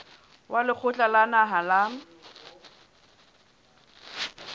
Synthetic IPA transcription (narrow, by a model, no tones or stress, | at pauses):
wʔalɪk͡xʰʊt͡ɬʼalanaɦalaŋ̩